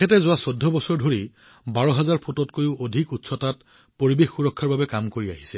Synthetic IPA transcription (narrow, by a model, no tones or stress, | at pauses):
ɛtɛzʊwasodʱːɔbɔsɔɹdʱoɹi | baɹɔɦɛzaɹpʰotɔtkojʊʔodʱikutsɔtat | poɹibexːuɹɔkʰːaɹbabɛkamkoɹiaɦisɛ